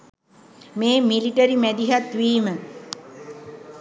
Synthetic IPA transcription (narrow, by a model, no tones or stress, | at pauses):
meːmiliʈəɾimæd̪iɦat̪ʋiːmə